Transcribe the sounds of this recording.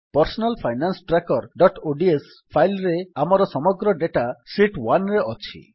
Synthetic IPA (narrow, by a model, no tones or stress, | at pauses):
pɔɾsɔnalpʰajnansʈɾakɔɾɖɔʈoɖies | pʰajlɾeamɔɾɔsɔmɔɡɾɔɖeʈasiʈwanɾeʔɔt͡ʃʰḭ